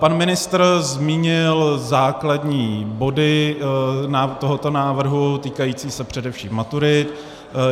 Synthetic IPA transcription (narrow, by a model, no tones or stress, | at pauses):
panmɪnɪst̪r̩zmiːɲɪlzaːkladɲiːbodɪ | naːt̪oɦot̪o̞naːvr̩ɦut̪iːkajiːt͡siːsɛpr̝̥ɛdɛfʃḭːmːat̪uɾɪt̪